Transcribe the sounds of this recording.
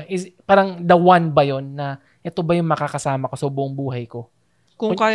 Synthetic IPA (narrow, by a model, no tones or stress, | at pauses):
ʔɪspaːɾɐŋd̪ɐwanbɐjo̞nːɐ | ʔɛt̪o̞bɐjʊŋmɐkakɐsaːmɐko̞sɐhʊboŋbuːɦɐjko̞ | kʊŋkaj